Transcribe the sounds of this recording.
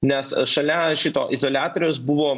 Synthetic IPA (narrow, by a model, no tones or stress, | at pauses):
nʲɛsʃɐlʲɛʃʲɪt̪oːʔɪzoːlʲæːt̪oːɾʲoːsbʊʋoː